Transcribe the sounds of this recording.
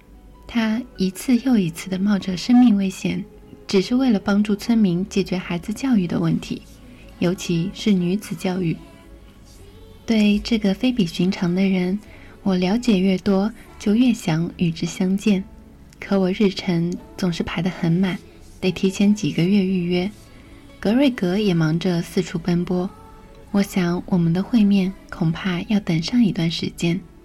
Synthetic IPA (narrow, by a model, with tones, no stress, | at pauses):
t̪ʰa˥i˧˥t͡sʰɹ̩˥˧jo˥˩ʊi˧˥t͡sʰɹ̩˥˩d̪ə˩mɑ˥˩ʊʈ͡ʂɤ˨˩ʂə˥ŋmi˥˧ŋwe˥ɪɕjɛ˨˩˦n | ʈ͡ʂɻ̩˨˩ʂɻ̩˥˧we˥˩ɪlə˩pɑ˥ŋʈ͡ʂu˥˩t͡sʰwə˥nmi˧˥ŋt͡ɕjɛ˨˩t͡ɕɥɛ˧˥xa˧˥ɪd͡zɹ̩˧t͡ɕjɑ˥˧ʊy˥˩d̪ə̰˩wə˥˩nt̪ʰḭ˧˥ | jo˧˥ʊt͡ɕʰi˧˥ʂɻ̩˥˩ny˧˥t͡sɹ̩˨˩t͡ɕjɑ˥˧ʊy˥˩ | t̪we˥˩ɪʈ͡ʂɤ˥˩ɡə˩fe˥ɪpi˨˩ɕy˧˥ŋʈ͡ʂʰɑ˧˥ŋd̪ə˧ɻə˧˥n | wɔ˨˩ljɑ˧˥ʊt͡ɕjɛ˨˩ɥɛ˥˩t̪wɔ˥t͡ɕjo˥˧ʊɥɛ˥˩ɕjɑ˧˥ŋy˨˩ʈ͡ʂɻ̩˥˩ɕjɑ˥ŋt͡ɕjɛ˥˩n | kʰɤ˧˥wɔ˨˩ɻɻ̩˥˩ʈ͡ʂʰɤ˧˥ŋt͡sʊ˨˩ŋʂɻ̩˥˩pʰa˧˥ɪd̪ə˧xə˧˥nma˨˩˦n | pe˥˩ɪt̪ʰi˧˥t͡ɕʰjɛ˧˥nt͡ɕi˨˩ɡə˦ɥɛ˥˧y˥˩˧ɥɛ˥ | kɤ˧˥ɻwe˥˩ɪkɤ˧˥jɛ˨˩mɑ˧˥ŋʈ͡ʂə˧sɹ̩˥˩ʈ͡ʂʰu˧˥pə˥npwɔ˥ | wɔ˧˥ɕjɑ˧˥ŋwʔɔ˨˩mə˦nd̪ə˧xwe˥˧ɪmjɛ˥˩nkʰʊ˨˩ŋpʰa˥˧jɑ˥˩ʊt̪ə˨˩nʂɑ˥˩ŋi˧˥t̪wa˥˩nʂɻ̩˧˥t͡ɕjɛ˥n